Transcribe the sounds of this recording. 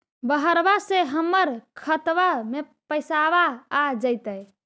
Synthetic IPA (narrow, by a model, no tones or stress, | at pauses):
bəɦəɾbaseɦəmːəɾkʰət̪ʋame | pəjsaβaːd͡ʒəjt̪əj